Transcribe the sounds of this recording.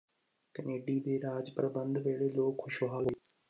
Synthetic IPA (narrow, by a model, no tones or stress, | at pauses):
kəneːɖiːd̪eːɾaːd͡ʒpɾəbənd̪ʋeːɽeːloːkʰːʊʃʋaːlɦoː